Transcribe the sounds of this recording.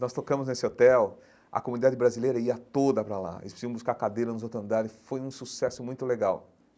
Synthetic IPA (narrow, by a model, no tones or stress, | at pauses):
nɔst̪okɐ̃mʊznesɪot̪ɛw | ɐ̰komunid̪ad͡ʒɪbɾazilejɾɐiɐt̪od̪ɐpɾala̰ḛlɪspɾsĩɐ̃buskaɾkad̪ejɾɐnʊzot̪ɾʊɐ̃nd̪aɾɪfojũsusɛsʊmũj̃t̪ʊleɡaw